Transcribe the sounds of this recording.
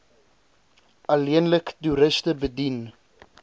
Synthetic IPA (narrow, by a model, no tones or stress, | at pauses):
ɐliənləktuɾəstəbədin